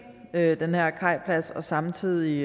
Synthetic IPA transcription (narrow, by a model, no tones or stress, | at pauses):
ød̥enhæɐ̰kʰɑ̈ɪ̰pʰlæsɒ̽sɑ̈mt͡sʰið̰ˠi